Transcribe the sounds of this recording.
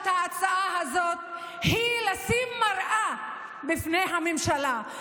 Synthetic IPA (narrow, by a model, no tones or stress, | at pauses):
t̪haːt͡saʔaɦazo̞t̪̚ | hilasimːaʁʔa | bifnejɦamemʃala